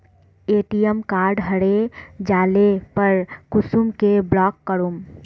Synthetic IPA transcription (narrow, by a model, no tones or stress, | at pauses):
eːʈijəmkaːɾɖɦəɽed͡ʒaːlepəɾkʊsumkeblɔːkːəɾum